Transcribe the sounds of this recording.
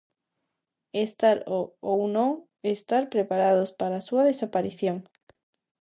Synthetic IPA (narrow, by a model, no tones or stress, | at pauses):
est̪aɾoowno | est̪aɾpɾepaɾað̞ospaɾasuað̞esapaɾiθjoŋ